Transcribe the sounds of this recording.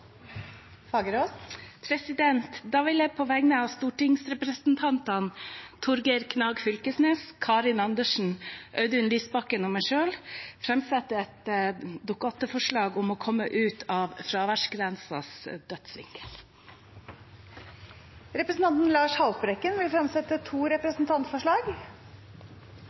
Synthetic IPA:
fɑːɡəɾoːspʰɾɛsɪd̪ɛnt̪d̪ɑːʋɪlæpʰoːʋæɡnəɑːʋst̪uːʈɪŋsɾɛpɾəsnt̪ʰɑnt̪ɑnt̪ʰʊɾɡəɾkʰnɑːɡfʏlkəsneːskʰɑːɾɪnɑnd̪əʂɳ̩ʔœʉd̪əʉnliːsbɑkənʊmæɪʂøːlfɾɛmsɛt̪ːəɛt̪d̪ʊkɑt̪əfɔʂɭɑːɡʊmoːkʰɔmːəʔʉːt̪ʰɑːʋfɾɑːʋæʂɡɾɛnsɑ̰sd̪œt̪sʋɪ̰ŋkə̥l | ɾɛpɾəsn̩t̪ɑnt̪n̩lɑːʂhɑlpɾɛkːənʋɪlfɾɛmsɛt̪ːət̪ʰuːɾɛpɾəsn̩t̪ʰɑnt̪fɔʂɭɑːɡ

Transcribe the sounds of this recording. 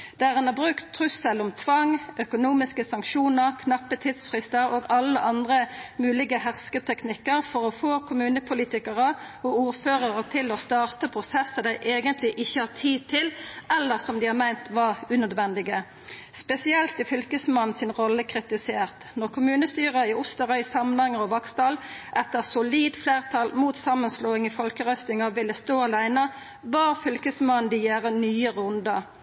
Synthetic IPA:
d̪̥ææʁɑnɑbʁʉːkt̪ʰːʁʉsəlʊmt̪ʰʋɑŋœkʊnuːmɪskəsɑŋkʃuːnəʁkʰnɑpːət̪ʰɪd̪sfʁɪst̪əɾoːɡɑlːəʔɑnd̪ʁəmʉːlɪɡəhæʁskət̪ʰɛknɪkːəʁfɔʁɔfoːkʰʊmʉːnəpʰʊliːt̪ɪkəʁəɔuːʁføːʁəʁət̪ʰɪlɔst̪ɑːʁt̪əpʰʁʊsɛsːəd̪æɪʔeːɡənt̪ʰlɪʔɪçːəhɑːʁt̪ʰiːd̪̚t̪ʰɪlʔɛlːəʁsɔmd̪ɪhɑːʁmæɪnt̪ʋɑʁʉnœd̪ʋɛnd̪ɪɡə | spɛsɪɛlt̪ɪfʏlkəsmɑn̩sɪnʁɔlːəkʰʁɪt̪ɪseːʁt̪nɔʁkʰʊmʉːnəst̪yːʁəɪʊst̪əʁœʏsɑmənhɑŋːəʁɔʋɑkst̪ɑlʔɛt̪ːəʁsʊliːd̪fleːʁt̪ʰɑlmuːt̪sɑmːənsloːɪŋifɔlkəʁœst̪ɪŋəʋɪlːəst̪oːɑlæɪnə | bɑːʁfʏlkəsmɑnnd̪ɪjæːʁənyːəɾʉnd̪ə

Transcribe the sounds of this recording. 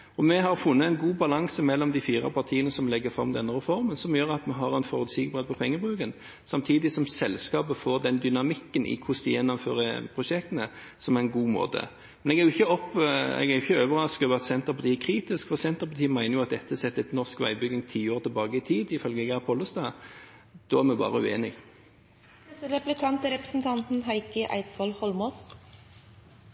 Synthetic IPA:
ɔmɛɦɑʁfʊnːəɛɪnɡuːbɑlɑŋsəmɛlːɔmd̪ɪfiːɾɑ̰pʰɑʁt̪ʰiːənəsɔmlɛɡːəfʁɑ̰md̪ɛnːəɾɛfɔɾmənsɔmjøːɾɑt̪mɛɦɑɾɛnfɔʁʉt̪siːɡəbʁeːd̪̚pʰɔpʰɛŋːəbʁʉːkən | sɑmt̪ʰiːd̪ɪsɔmsɛlskɑːpəfɔɾd̪ɛnd̪ʏnɑmɪkːənʔɪ̰kʰʊsd̪ɪjɛnːɔmføːɾəpʰʁʊʂɛkt̪ənəsɔmæʁɛnɡuːmo̰ːd̪ə̰ | mɛnɛɡɛɾjʊɪçːəɔpːɛ̰ɡɛɾjʊçəøːʋəʁɑskʉʋɑt̪sɛnt̪əɾpʰɑt̪ʰiːkʰɾiːt̪ɪskfɔsɛnt̪əɾpɑt̪iːmæɪnəjʊɑt̪̚d̪ɛt̪ːəsɛt̪ːɛt̪nɔʁskʋæɪbʏɡɪŋt̪ʰiːoːʁt̪ʰɪlbɑːɡəɪt̪ʰiːd̪ɪfœlɡəɡɑpʰɔləsd̪ɑː | d̪̥ɔːæʁmɛbɑ̰ːʁəʉ̰eːnɪɡ̪ | ɛsəɾɛplɪkʰɑnt̪əɾɛpəsn̩t̪ʰɑnt̪n̩ɦɑɪkəʔæ̰ɪt̪sʋɔlhɔlmɔs

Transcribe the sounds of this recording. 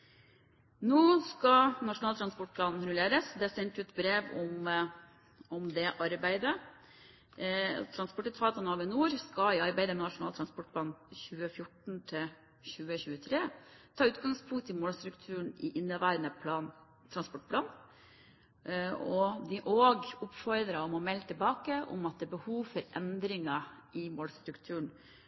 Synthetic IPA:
nuːskɑnɑʂʊnɑːlt̪ɾɑnspɔʈ̚pʰlɑːnn̩ɾʉleːɾəsd̪ɛsɛnt̪ʉːt̪bɾeːʋɔm | ɔmd̪ɛʔɑɾbæɪd̪ə | t̪ʰɾɑnspɔʈːət̪fɑːt̪ɑnɑːʋɪnuːɾskɑɪɑɾbæɪd̪əmɛnɑʂʊnɑːlt̪ʰɾɑnspɔʈ̚pʰlɑːnçʉːəfjʊʈɳ̩t̪ʰɪl | çʉːəɕʉːət̪ʰɾeːt̪ʰɑːʉːt̪̚ɡɑŋspʰʊŋkt̪ɪmoːlst̪ɾʉkt̪ʰʉːɳɪʔɪnːəʋæːɾənəpʰlɑːn | t̪ʰɾɑnspɔʈpʰlɑːn | ɔd̪ɪʔoːɡʊpfɔɾd̪ɾəɔmɔmɛlt̪ʰɪlbɑːkəʔɔ̰mɑt̪̚d̪ɛːbəhuːʋfɔɾʔɛnd̪ɾɪŋɑʔɪmoːlst̪ɾʉkt̪ʰʉːɳ

